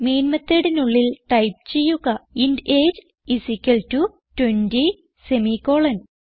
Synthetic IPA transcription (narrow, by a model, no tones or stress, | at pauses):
me̞ːnmɐt̪ːeɽenuɭːilʈɐjp̚t͡ɕe̞jːuɣɐindeːd͡ʑ | isikʲːɐltu | twenʈi | semiko̞ːɭɐn